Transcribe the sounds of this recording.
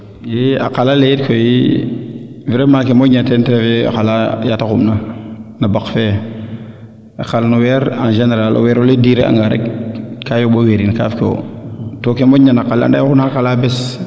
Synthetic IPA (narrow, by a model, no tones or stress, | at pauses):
jea̰qalalejetkoji | viɾemakemoɲantentɾefea̰xalajatakumnanabakfe | axalnuwɛɾanʒeneɾalʔo̰wɛɾɔlediɾea̰ŋɡaɾḛkkajoɓoweɾinka̰fko̰tokemoɲanaqalːa̰ndajkunaɾkalabɛs